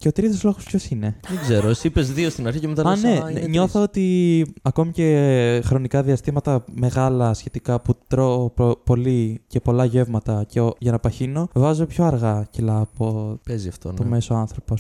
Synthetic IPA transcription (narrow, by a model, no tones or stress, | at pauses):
ce̞ot̪ɾit̪oszlo̞ɣoscʰço̞sine̞ðeɡzeɾosiipezðiost̪inɐɾçicemet̪ɐlɐneɲo̞θɐo̞t̪iɐko̞mice̞xɾo̞nikɐðiɐst̪imɐt̪ɐme̞ɣɐlɐsçe̞t̪ikɐput̪ɾoopo̞lice̞po̞lɐʝe̞vmɐt̪ɐceoʝɐnɐpɐçino̞vɐzopçoɐɾɣɐcilɐːpo̞peziɐft̪onomeso̞ɐnθɾo̞pos